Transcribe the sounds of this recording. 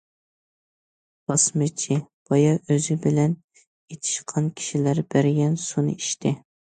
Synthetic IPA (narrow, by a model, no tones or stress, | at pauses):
b̥ɑsmɨt͡ʃʰib̥ɑjɑʔøzɪbɪlɛn | et̪ʰɪ̥ʃqʰɑnkʲʰi̥ʃilæɾb̥æɾɪɡʲɛnsunɨ̰iʃt̪ʰɪ